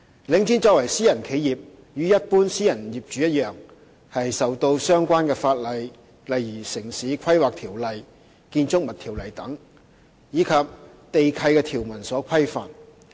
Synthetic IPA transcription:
lɪ˨˥ŋt͡siː˨˥nt͡sɔː˥wɐ˨˩jsiː˥jɐ˨˩nkʰe˨˥jiː˨p̚ | jyː˨˥jɐ˥t̚puː˥nsiː˥jɐ˨˩njiː˨p̚t͡ʃyː˨jɐ˥t̚jœː˨˩ŋ | hɐ˨jsɐ˨wt̪o˧wsœː˥ŋkʷaː˥nkɛː˧faː˧t̚lɐ˨j | lɐ˨jjiː˨˩sɪ˨˩ŋsiː˨˥kʷʰɐ˥jwaː˨k̚t̪ʰiː˨˩wlɐ˨˩j | kiː˧nt͡sʊ˥k̚mɐ˨t̪̚ʰiː˨˩wlɐ˨˩jt̪ɐ˨˥ŋ | jiː˨˧kʰɐ˨p̚ | t̪e˨jkʰɐ˧jkɛː˧t̪ʰiː˨˩wmɐ˨˩nsɔː˨˥kʷʰɐ˥jfa̰ː˨˩n

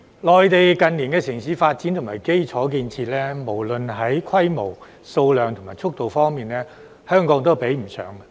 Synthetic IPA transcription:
lɔː˨jt̪e˨jkɐ˨nliː˨˩nkɛː˧sɪ˨˩ŋsiː˨˥faː˧t̚t͡siː˨˥nt̪ʰʊ˨ŋmaː˨˩jke˥jt͡sʰɔː˨˥k̬iː˧nt͡sʰiː˧t̚lɛː˥mo˨˩wlɵ˨nɦɐ˨˥jkʰɐ˥jmo˨˩w | so˧wlœː˨ŋt̪ʰʊ˨˩ŋmaː˨˩jt͡sʰʊ˥k̚t̪o˨wfɔː˥ŋmiː˨nlɛː˥ | hœː˥ŋkɔː˨˥ŋt̪̬o˥wpe˨˥jm̩˨˩sœ̰ː˨˥ŋɐ˧

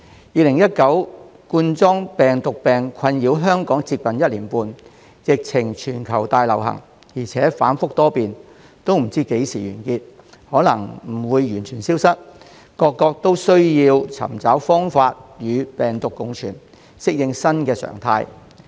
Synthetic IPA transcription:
jiː˨˧lɪ˨˩ŋjɐ˥t̚kɐ˨˥w | kuː˧nt͡sɔː˥ŋpɛː˨ŋt̪ʊ˨k̚pɛː˨ŋkʰɐ˧njiː˨˥wɦœː˥ŋkɔː˨˥ŋt͡siː˧t̚pɐ˨njɐ˥t̚liː˨˩npuː˧n | jɪ˨k̚t͡sʰɪ˨˩ŋt͡ʃʰyː˨˩nkʰɐ˨˩wt̪aː˧jlɐ̰˨˩wɦɐ̰˨˩ŋ | jiː˨˩t͡sʰɛː˨˥fa̰ː˨˥nfʊ˥k̚t̪ɔː˥piː˨n | t̪o˥wm̩˨˩t͡siː˥ke˨˥jsiː˨˩jyː˨˩nkiː˧t̚ | hɔː˨˥lɐ˨˩ŋm̩˨˩wuː˨˧jjyː˨˩nt͡ʃʰyː˨˩nsiː˥wsɐ˥t̚ | kɔː˧kːɔː˧k̚t̪o˥wsɵ˥ɥjiː˧wt͡sʰɐ̰˨˩mt͡saː˨˥wfɔː˥ŋfaː˧t̚jyː˨˧pɛː˨ŋt̪ʊ˨kːʊ˨˧ŋt͡ʃʰyː˨˩n | sɪ˥k̚jɪ˧ŋsɐ˥nkɛː˧sœ̰ː˨˩ŋt̪ʰa̰ː˧j

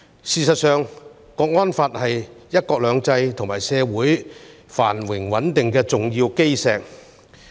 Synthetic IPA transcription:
siː˨˧sɐ˨t̚sœː˨ŋ | kɔː˧k̚ŋɔː˥nfaː˧t̚hɐ˨jjɐ˥t̚kɔː˧k̚lœː˨˧ŋt͡sɐ˧jt̪ʰʊ˨˩ŋmaː˨˩jsɛː˨˧wuː˨˥j | fa̰ː˨˩nwɪ˨˩ŋwɐ˨˥nt̪ɪ˨ŋkɛː˧t͡sʊ˨ŋjiː˧wke˥jsɛː˧k̚

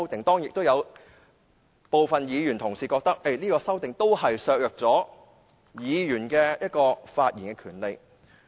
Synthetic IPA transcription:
wt̪ɪ˨ŋt̪ɔː˥ŋjɪ˨k̚t̪o˥wjɐ˨˧w | po˨wfɐ˨njiː˨˧jyː˨˩nt̪ʰʊ˨˩ŋsiː˨kɔː˧k̚t̪ɐ˥k̚e˥˩jniː˥kɔː˧sɐ˥wt̪ɪ˨ŋt̪o˥whɐ˨jsœː˧k̚jœː˨k̚t͡sɔː˨˥ | jiː˨˧jyː˨˩nkɛː˧jɐ˥t̚kɔː˧faː˧t̚jiː˨˩nkɛː˧kʰyː˨˩nle˨˧j

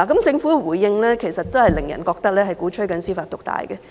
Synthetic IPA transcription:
a˨˩kɐ˨˦˥mt͡sɪ˧ŋfuː˨˥wuː˨˩jjɪ˧ŋlɛː˥kʰe˨˩jsɐ˨t̚t̪o˥whɐ˨jlɪ˨˩ŋjɐ̰˨˩nkɔː˧k̚t̪ɐ˥k̚lɛː˥ɦɐ˨jkuː˨˥t͡ʃʰɵ˥kɐ˨˧nsiː˥faː˧t̚t̪ʊ˨k̚t̪a̰ː˨jɡɛ˧

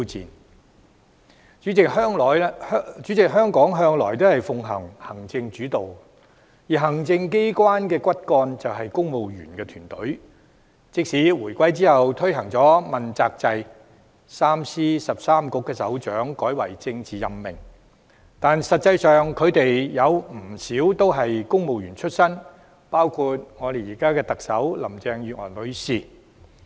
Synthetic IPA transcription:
i˥wt͡sḭː˨n | t͡ʃy˨˥t͡sɪ˨k̚hœː˥ŋlɔː˨jt͡ʃyː˨˥t͡sɪ˨k̚ɦœː˥ŋkɔː˨˥ŋɦœː˥ŋlɔː˨˩jt̪o˥hɐ˨jfʊ˨˧ŋɦɐ̰˨˩ŋhɐ˨˩ŋt͡sɪ˧ŋt͡ʃyː˨˥t̪o˨w | jiː˨ɦɐ˨˩ŋt͡sɪ˧ŋke˥jkwaː˥nkɛː˧kʷɐ˥t̚kɔː˧nt͡sɐ˨wɦɐ˨jkʊ˥ŋmo˨wjy̰ː˨˩nkɛː˧t̪ʰyː˨˩nt̪ɵ˨˥ɥ | t͡sɪ˥k̚siː˨˥wuː˨˩jkʷɐ˥jt͡siː˥hɐ˨wt̪ʰɵ˥ɥɦɐ˨˩ŋt͡sɔː˨˥mɐ˨nt͡saː˧k̚t͡sɐ˧j | saː˥msiː˥sɐ˨p̚saː˥mkʊ˧˥kːɛː˧sɐ̰˨˥wt͡ʃœː˨˥ŋkɔː˨˥jwɐ̰˨˩jt͡sɪ˧ŋt͡siː˨˩jɐ˨mːɪ̰˨˩ŋ | t̪aː˨nsɐ˨t̚t͡sɐ˧jsœː˨ŋkʰɵ˨˧ɥt̪e˨jjɐ˨˧wm̩˨˩siː˨˥wt̪o˥wɦɐ˨jkʊ˥ŋmo˨wjyː˨˩nt͡ʃʰɵ˥t̚sɐ˥n | paː˥wkʰuː˧t̚ŋɔː˨˧ɾe˨jiː˨˩kaː˥kɛː˧t̪ɐ˨k̚sɐ˨˥wlɐ̰˨˩mt͡sɛː˧ŋjyː˨ŋɔ̰ː˨˩nlɵ˨˧ɥsiː˨

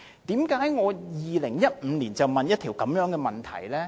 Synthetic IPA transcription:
t̪iː˨˥mkaː˨˥jŋɔː˨˧jiː˨lɪ˨˩ŋjɐ˥t̚m̩ː˨˧niː˨˩nt͡sɐ˨wmɐ˨njɐ˥t̪̚ʰi˨˩wkɐ˨˥mjœː˨˧˥ŋkɛː˧mɐ˨˩nt̪ʰɐ̰˨˩jlɛː˥

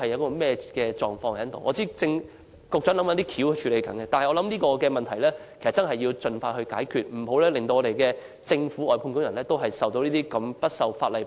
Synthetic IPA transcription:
ɐ˨jɐ˨˧wkɔː˧mɛː˥kɛː˧t͡ʃɔː˨ŋfɔː˧ŋhɐ˦nt̪o̰˨˩ŋʔɔː˨˧t͡siː˥t͡sɪ˧ŋ | kʊ˨k̚t͡ʃɐ˨˥nlɐ˨˥mɐ˨˧˥t̪iː˥kʰiː˨˥wht͡ʃʰyː˨˧le˨˧jkɐ˨˥nkɛ˧t̪aː˨nhjɔː˨˧lɐ˨˥mniː˥kɔː˧kɛː˧mɐ˨nt̪ʰɐ˨˩jlɛː˥ke˨˩sɐ˨t̚t͡sɐ˥nɦɐ˨ji˧wt͡sɵ˨˧nfaː˧hɵ˧ɥkaː˨˥jkʰyː˨˩t̚m̩˨˩ho˨˥wlɛː˥lɪ˨ŋt̪o˧wɔː˨˧ɾe˨˩jkɛː˧ | t͡sɪ˧ŋfu˨˥ɔː˨jpʰu˧nkʊ˥ŋjɐ˨˩nlɛː˥t̪o˥wɦɐ˨jsɐ˨wt̪o˧wniː˥t̪iː˥kɐ˧mpɐ˥t̚sɐ˨wfaː˧t̚lɐ˨˩j

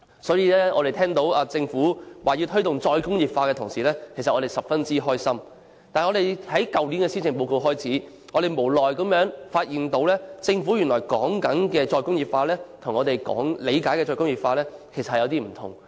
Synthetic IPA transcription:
sɔː˨˥jiː˧lɛː˥ʔɔː˨˧ɾe˨jt̪ʰɛː˥ŋt̪o˨˥waː˨˩t͡sɪ˧ŋfuː˨˥waː˨ji˧wt̪ʰɵ˥ɥt̪ʊ˨ŋt͡sɔː˧jkʊ˥ŋjiː˨p̚faː˧kɛː˧t̪ʰʊ˨˩ŋsiː˨˩lɛː˥kʰsɐ˨t̚ɔː˨˧ɾe˨jsɐ˨˩p̚fɐ˥nt͡siː˥ɦɔː˥jsɐ˥m | t̪aː˨nŋɔː˨˧ɾe˨jhɐ˨˥jkɐ˨wli˨˥nkɛː˧siː˥t͡sɪ˨ŋpo˧wko˧wɦɔː˥jt͡sʰiː˨˥ | ŋɔː˨˧ɾe˨jmo˨˩wlɔː˨jkɐ˨˥mjœː˨˥ŋfaː˧t̚jiː˨nt̪o˨˥wlɛː˥t͡sɪ˧ŋfuː˨˥jyː˨˩nlɔː˨˩jkɔː˨˥ŋkɐ˨˥nkɛː˧t͡sɔː˧jkʊ˥ŋjiː˨p̚faː˧lɛː˥t̪ʰʊ˨˩ŋɔː˨˧t̪e˨jkɔ̰ː˨˥ŋle˨˧jkaː˨˥jkɛː˧t͡ʃɔː˧jkʊ˥ŋjiː˨p̚faː˧lɛː˥kʰe˨˩sɐ˨hjɐ˧wt̪iː˥m̩˨˩t̪ʰʊ̰˨˩ŋ

